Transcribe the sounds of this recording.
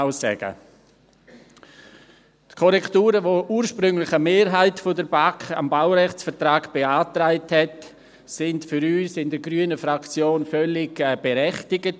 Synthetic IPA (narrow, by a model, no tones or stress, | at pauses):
aʊsɛ̰ɡə̰ | tkʰɔɾɛktuːɾəvoʔuːɾʃpɾʏŋlɪχəmeːɾɦaɪtfodəɾbaka̰mbawɾɛχt͡sfəɾtɾaːɡb̥eaːtɾaɪthɛt | sɪntfʏɾyːsɪndəɾɡɾyənəfɾakt͡sjoːnfœlɪɡb̥eɾɛχtɪɡət